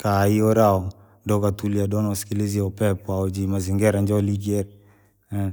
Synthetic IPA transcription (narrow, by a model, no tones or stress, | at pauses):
kaiɔɾaɔ | ndɔɡatuliadɔnɔskiliziɔpɛpwaɔd͡ʒimaziŋɡɛɾaɲd͡ʒɔliɡiɛɾɛ | ɛ